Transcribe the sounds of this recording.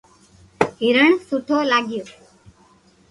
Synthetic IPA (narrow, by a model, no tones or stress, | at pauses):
ɦiɾəɳsuʈʰoːlaːɡɪjoː